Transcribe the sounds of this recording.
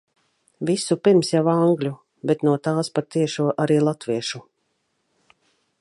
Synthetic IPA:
visupiɾmsjawaŋɡlʲu | bɛt̪nuɔt̪aːspat̪iɛʃuːɔʔaɾiːlˠat̪viɛʃu

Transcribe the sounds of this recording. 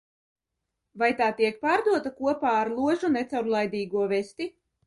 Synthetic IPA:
vajt̪aːt̪iɛk̚paːɾd̪uɔt̪akuɔpaːɾlˠuɔʒunɛt̪sawɾlˠajd̪iːɡuɔvɛsʲt̪i

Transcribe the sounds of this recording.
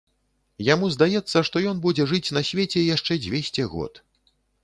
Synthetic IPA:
jamuzd̪ajɛt̪sːɐʂt̪ɔjɔnbud͡zʲɛʐɨt͡sʲnɐsʲvʲet͡sʲɛjaʂt͡ʂɛd͡zʲvʲesʲt͡sʲɛɣɔ̰t̪

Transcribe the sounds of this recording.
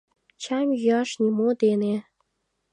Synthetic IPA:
t͡ɕæmʲjɑʃnʲimod̪ene

